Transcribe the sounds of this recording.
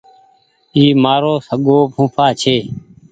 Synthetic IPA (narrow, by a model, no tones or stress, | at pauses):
iːmaːɾoːsəɠoːpʰũːpʰaːt͡ʃʰeː